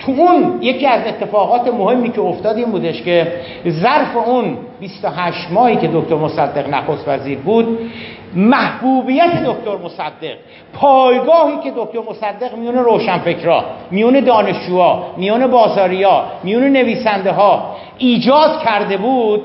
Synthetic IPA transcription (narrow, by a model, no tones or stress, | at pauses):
t̪ʰuunje̞cʰiːæze̞t̪ʰːe̞fɒːɣɒːt̪emohe̞mːiːcʰeoft̪ɒːd̪iːmbuːd̪eʃce̞ | zæɾfe̞un | bist̪oɦæʃt̪mɒːhiːkʰe̞d̪okt̪ʰo̞ɾmosæd̪ːe̞ʁnæxost̪væziːɾbuːd̪ | mæhbuːbiːjæt̪ʰe̞d̪okt̪oɾmosæd̪ːe̞ɣ̥ | pʰɒːjɡɒːhiːcʰe̞d̪ok̚ʲt̪ʰoɾmo̞sæd̪ːe̞ɣmijuːne̞ɾoːʃænfe̞kɾɒ̰ːmijuːne̞d̪ɒːne̞ʃd͡ʒuːɒːmijuːne̞bɒːzɒːɾijɒːmijuːnene̞viːsænd̪eɦɒː | ʔiːd͡ʒɒːd̪̥cʰæɾd̪e̞buːd̪̥̚